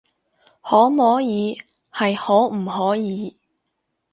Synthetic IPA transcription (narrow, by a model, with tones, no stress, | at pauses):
hɔː˨˥mɔː˨˥jiː˨˧ | hɐ˨jhɔː˨˥m̩˨˩ɦɔː˨˥jiː˨˥